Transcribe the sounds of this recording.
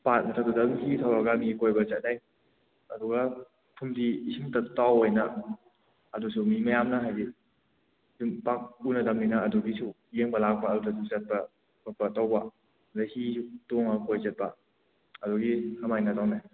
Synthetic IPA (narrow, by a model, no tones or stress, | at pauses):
pat̚mɐtʰadudaŋhitʰawaɡɐmikojbɐt͡ʃɐt̚naj | ɐduɡa | pʰumdisiŋtatawojnaː | dusumimɐjamnaɦajdi | dumpak̚unɐdɐmninaːduɡisʰu | jeŋbɐlak̚paːdutʰasut͡ʃɐt̚pɐ | bapɐtawba | dahitoŋakojt͡ʃɐt̚bɐ̰ | ɐduɡihamajnatawnaj